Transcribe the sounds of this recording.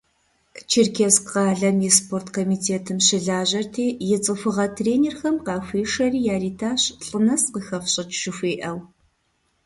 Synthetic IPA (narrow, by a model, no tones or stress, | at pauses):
t͡ʃʰirkʰesqɑːɮɐmispʰoːrtkʰomiːtʰeːtʰɨmɕɪɮaːʑɐrtʰeːjɪt͡sʼɨfɨʁɐtʰreːneːrxɐmqɑːxʷiːʂɐriːjaːriːtʰaːɕɬʼɨnɐsqəxɐfɕʼɪtʃɪxʷiːʔɐw